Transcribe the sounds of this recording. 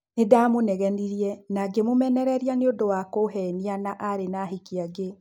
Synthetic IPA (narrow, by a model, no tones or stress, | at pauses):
nedamonɛɣɛniɾiɛnaɡemomɛnɛɾɛɾianeodowakoɦɛnianaʔaɾenaɦikiaɡe